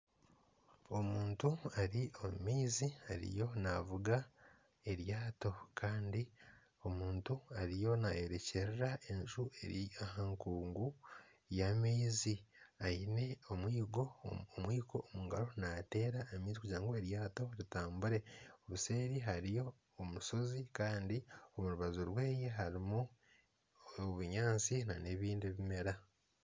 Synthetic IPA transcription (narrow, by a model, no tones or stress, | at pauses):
o̞muːntuaɾiʔomumiːzihaɾḭjo̞navuɡa | e̞ɾjaːto̞kʰaːndi | o̞muːntuaɾijo̞naje̞ɾe̞ceɾeɾae̞nʒueahaŋkuːŋɡu | jamiːziaine̞o̞mwiːɡo̞omwiːkʰo̞muŋɡaɾo̞nate̞ːɾaemiːzikuɟaːŋɡoe̞ɾjaːto̞ɾitaːmbuɾe̞oβuse̞ːɾiɦaɾijo̞ː | muʃo̞zikaːndiomuɾuβazuɾwe̞ːje̞ɦaɾimu | oβuɲaːnt͡sinane̞βiːndiβime̞ɾa